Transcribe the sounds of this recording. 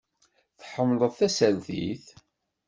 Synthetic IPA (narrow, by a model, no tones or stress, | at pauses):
θħəmːləðˤθæsælθḭθ